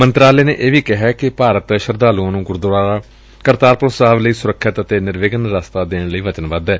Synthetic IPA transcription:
mənt̪ɾaːleːnḛːʔeːʋiːkɪɦɛːkɪpaːɾət̪ʃəɾd̪aːluãːnũːɡʊɾd̪aː | kəɾt̪aːɾpɾoːsaːʋləiːsʊɾəkʰːɪt̪ət̪eːnɪɾʋɪɡənɾaːst̪aːd̪eːɳləiːʋət͡ʃənʋəd̪ɛː

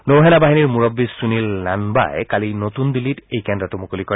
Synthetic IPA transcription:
nowɦɛnabaɦiniɹmuɹɔbːisunilnanba̰jkalinotundilitejkɛndatumukolikɔɹɛ

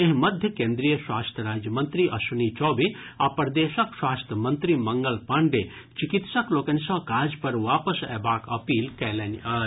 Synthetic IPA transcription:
eɦmɐd̪ʱjəkẽːnd̪ɾijəswaːst̪ʰəɾaːd͡ʒjəmɐnt̪ɾiʔɐ̰sunit͡ʃɔːbi | apɐɾd̪eːʃɐkswaːst̪ʰəmɐnt̪ɾimɐŋɡəlpaɳɖe | t͡ʃikit̪sɐkloːkɐnsɔ̃kaːɾd͡ʒpɐɾʋaːpəsɛ̰ːbaːkɐpiːlkɛːlɛnaː

